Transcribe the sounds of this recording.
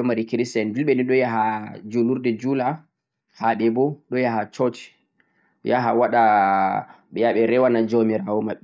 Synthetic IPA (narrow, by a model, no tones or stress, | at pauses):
ɔmaɾikiɾisɛnbilɓɛniɗɔjaɦad͡ʒuluɾdɛd͡ʒula | haɓɛbɔɗɔjaɦat͡ʃɔt͡ʃi̥ | jaɦawaɗa | ɓɛjaɓɛɾɛwanad͡ʒomɛɾawɔmaɓːi